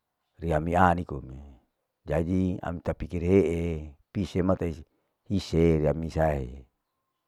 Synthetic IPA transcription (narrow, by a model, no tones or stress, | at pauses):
riamianikomi | d͡ʒad͡ʒia̰mit̪apikirɦeʔepisemat̪ai | hiseɾiamisaɦḛ